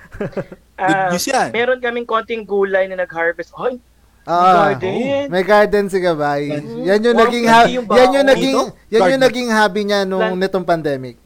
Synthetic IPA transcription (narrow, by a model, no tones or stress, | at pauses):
ʔamɛːɾonkɐmɪŋko̞ːnt̪ɪŋɡuːlɐjnɐnɐɡ̚haɹvɛst̪oj | ʔoːʔo | mɐjɡaɹd̪ɛns̬ɪɡɐbajjanjoŋnɐɡiŋhajanɲoŋnɐɡiŋjannɲonɐɡiŋɦaːbiɲanʊŋnɛt̪o̞ŋpɐnd̪ɛːmɪk̚